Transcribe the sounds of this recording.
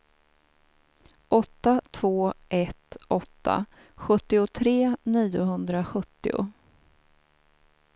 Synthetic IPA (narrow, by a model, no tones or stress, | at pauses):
ʔɔt̪ːat̪ʰvoːʔɛt̪ʔɔt̪ʰːa̰ | ɧɵt̪ːɪʊt̪ʰɾeːniːʊɦɵnd̪ɾaɧɵt̪ːɪ̰ʊ̰